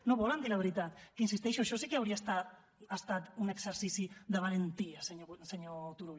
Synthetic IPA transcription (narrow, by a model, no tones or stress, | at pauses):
noβoland̪ilaβ̞eɾit̪at̪kins̬ist̪ejʃuʃosikeawɾiast̪a | ast̪at̪unekseɾsisiðeβ̞alent̪iaseseɲot̪uɾu